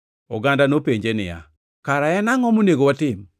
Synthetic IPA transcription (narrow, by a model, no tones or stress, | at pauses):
ɔ̰ɡandanopeɲd͡ʒenɪ̰ja̰ | kaɾaɛnaŋɔmoneɡowatɪm